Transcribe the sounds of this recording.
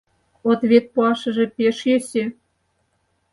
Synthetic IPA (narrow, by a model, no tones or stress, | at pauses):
ot̪βʲet̪̚puɑʃɤ̆ʒĕpʲeʃjø̆sʲe